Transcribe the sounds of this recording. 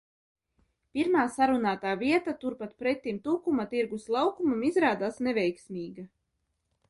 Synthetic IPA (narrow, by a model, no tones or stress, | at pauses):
piɾmaːsaɾunaːt̪aːviɛt̪at̪uɾpat̪̚pɾɛt̪ːimt̪uːkumat̪iɾɡuslˠɑwkumamizɾaːd̪aːsnɛvʲɛjksmʲiːɡa